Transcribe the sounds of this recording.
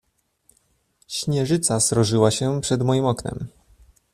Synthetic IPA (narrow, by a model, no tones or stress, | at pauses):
ɕɲɛʐɘt̪sasɾɔʐɘwaɕɛpʂɛd̪mɔjimɔknɛ̰m